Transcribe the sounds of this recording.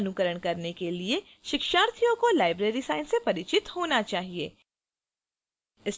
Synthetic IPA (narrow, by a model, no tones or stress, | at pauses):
nʊkəɾəɽ̃kɐɾnekelie | ʃɪkʃaːɾt̪ʰijõkolaːɪbɾeːɾisaːɪnsepɐɾɪt͡ʃɪt̪hoːnat͡ʃaːɦieː | ɪs